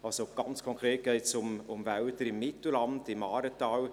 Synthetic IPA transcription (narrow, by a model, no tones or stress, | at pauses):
ɑlsoɡ̥ɑnt͡skʰɔŋkʰɾeːt̚ɡ̥ɛɪtsʊmʊmvæltəɾɪmːɪtl̩lɑndɪmɑːɾətɑːl